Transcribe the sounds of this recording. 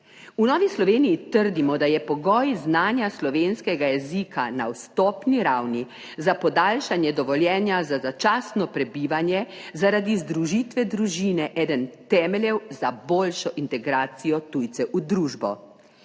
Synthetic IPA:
unɔːʋislɔʋeːnijit̪əɾd̪imɔd̪ajɛpɔɡɔːjznaːnjaslɔʋenskɛɡajɛzikʰana̰wst̪ɔpniɾawni | zapɔd̪alʃanjɛd̪ɔʋɔljɛːnjazazat͡ʃaːsnɔpɾɛbiːʋanjɛzaɾad̪izd̪ɾuʒit̪ʋɛd̪ɾuʒiːnɛʔɛːd̪ənt̪ɛːmɛlʲjɛwzaboːlʃɔʔint̪ɛɡɾaːt̪sijɔt̪ujt̪sɛʔud̪ɾuːʒbɔ̰

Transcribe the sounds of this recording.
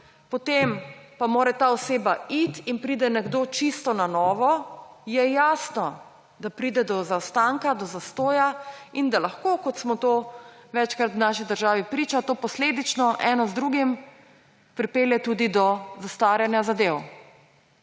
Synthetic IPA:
pɔt̪empamoːɾɛt̪aːɔseːbait̪inpɾiːd̪ɛnɛɡd̪oːt͡ʃist̪ɔnanɔːʋɔjɛjaːsnɔ | d̪apɾiːd̪ɛd̪ɔzawst̪aŋkad̪ɔzast̪oːjaind̪alaxkoːkɔt̪smɔt̪oːʋɛt͡ʃkɾat̪wnaːʃid̪əɾʒaːʋipɾiːt͡ʃat̪oːpɔsleːd̪it͡ʃnɔʔɛːnɔzd̪ɾuɡim | pɾipeːljɛt̪uːd̪id̪ɔzast̪ʋaːɾjɛnjazad̪ew

